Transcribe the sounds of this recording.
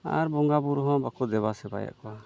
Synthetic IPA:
a̰ɾbɔŋɡabuɾɦɔ̃bakud̪ɛbasɛba̰ja̰ʔkɔwa

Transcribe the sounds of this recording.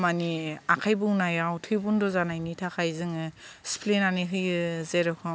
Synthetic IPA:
maniakʰajbɯŋnajawtʰɯjbundɔzanajnitʰakʰajzɯŋɯspʰlenaniɦɯjɯzeɾɔkʰɯ

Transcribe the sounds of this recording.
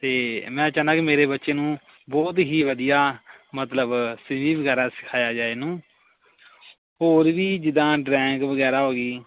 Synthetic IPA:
t̪eːmɛ̃ːət͡ʃãːnd̪ãːkɪmeːɾeːbətːʃeːnũː | bɔːt̪̬ɦiːʋəd̪ijaːmət̪ləbsɪʋiːbəɡɛːɾaːsɪ̥kʰaːjaːd͡ʒaːeːnũː | ɦoːɾʋiːd͡ʒɪd̪ãːɖɾɛ̃ːŋɡʋəɡɛːɾaːɦoːɡiː

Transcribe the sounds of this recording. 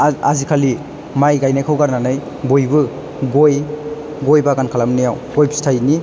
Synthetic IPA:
azikʰali | majɡajnajkʰɯwɡaɾnanaj | bojbɯ | ɡoj | ɡojbaɡankʰalamnijawɡojbʰi̥stʰajni

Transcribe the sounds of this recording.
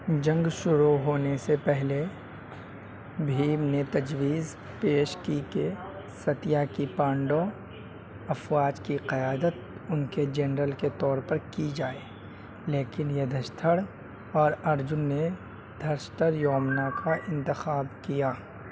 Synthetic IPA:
d͡ʒɐ̃ŋɡʃʊɾuɦoːnesepɛɦle | bʱiːmnet̪ɐd͡ʒwiːz | peːʃkike | sɐt̪ɪjakipãːɳɖo | ɐfwaːd͡ʒkiqɐjaːd̪ət̪ʊnked͡ʒɛnɾəlket̪ɔːɾpɐɾkid͡ʒaːe | leːkɪnjɐd̪ʱəʃt̪ʰəɽ | ɔːɾɐɾd͡ʒʊnːe | d̪ʱɐɾʃt̪əɾjɔːmnakʰaʔɪ̃nt̪ɪxaːbkijaː

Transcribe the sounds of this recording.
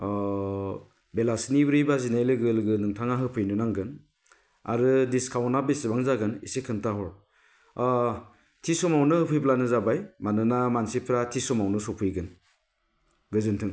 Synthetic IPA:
belasnibɾijbazinajlɯɡɯlɡɯnɯŋtʰaŋaɦɯpʰɯjnɯnaŋɡɯn | a̰ɾɯdiskʰawnabesibaŋzaɡɯnisekʰɯntaɦɔɾ | tʰisɔmawnɯhɯpʰɯjplanɯzabajmanɯnamansipʰɾatʰisɔmawnɯsɔpʰɯjɡɯn | ɡɯzɯntʰɯŋ

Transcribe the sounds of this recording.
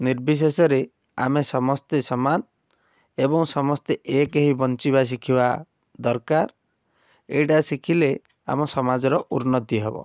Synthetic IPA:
niɾbis̬esɔɾe | a̰mesɔmɔst̪esɔman | ebɔŋsɔmɔst̪eʔekeɦibɔnt͡ʃibas̬ikʰiba | d̪ɔɾkaɾ | eʈasikʰile | a̰mɔsɔmad͡ʒɔɾɔʔuɾnɔt̪iɦebɔ̰

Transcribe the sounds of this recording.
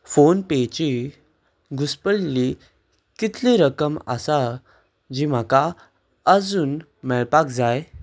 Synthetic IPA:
fonpet͡ɕi | ɡuspəɭli | kit̪ʰliɾəkəma̰sa | d͡ʑim̤aka | əd͡zuːn | mɛɭpakd͡zaj

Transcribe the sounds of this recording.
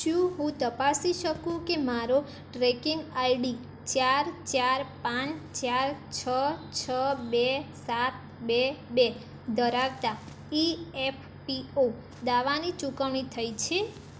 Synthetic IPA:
ʃũɦũt̪əpasiʃəkũkemaɾo | ʈɾekiŋɡajɖi | t͡ʃaɾt͡ʃaɾpãt͡ʃt͡ʃaɾt͡ʃʰət͡ʃʰəbesat̪̚bebe | d̪əɾaʋt̪a | iepʰ | pio | d̪aʋanit͡ʃũkəʋɳ̃it̪ʰəjt͡ʃʰe

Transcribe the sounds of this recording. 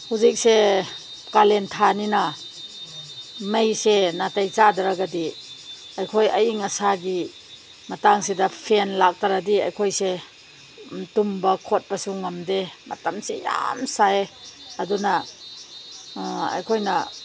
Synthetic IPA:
huzik̚se | kalentʰaninɐ | mejsenatajt͡ʃadɐɾaɡadi | ɐjkʰojɐjiŋɐsaɡi | mɐtaŋsedɐpʰenlak̚taɾadiɐ̰jkʰojse | tumbɐkʰot̚bɐsuŋːamdemɐ̰tamseja̰msaeɐdunɐ | ɐ̰jkʰojnɐ

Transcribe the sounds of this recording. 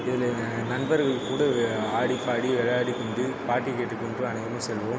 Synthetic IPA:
ɪðɪl | nɐnbɐɾɣɐɭkːuːɽɐaːɽipaːɽiʋɛɻɐjaːɽikːɐnd̪ɯpaːʈːikeːʈːɯkːɔɳɖrɯ̃ɐnɐɣɐmɐsɛlʋom

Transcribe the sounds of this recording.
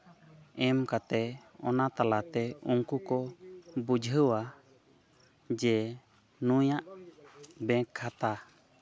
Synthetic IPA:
ɛmkat̪ɛɔnat̪alat̪ɛuŋkukɔbud͡ʒʱɦəwa | d͡ʒɛ | nujaʔ | bɛ̃kʰːat̪a

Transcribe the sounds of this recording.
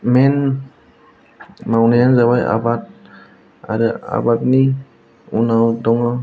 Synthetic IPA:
mɛn | mawnajanzabaja̰bat̚ | a̰ɾɯa̰batni | unawdɔŋɔ

